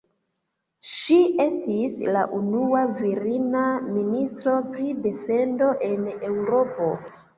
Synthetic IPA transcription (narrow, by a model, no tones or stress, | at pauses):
ʃie̞stisla̰ʔunuaviɾinaministɾo̞pɾide̞fe̞ndo̞ʔe̞ne̞wɾo̞po̞